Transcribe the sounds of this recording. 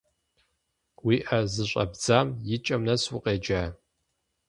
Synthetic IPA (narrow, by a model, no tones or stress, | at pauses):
wiːʔɐzɨɕʷʼɐ̰bd͡zaːmjɪt͡ʃʼɐmnɐswʊqʼeːd͡ʒaː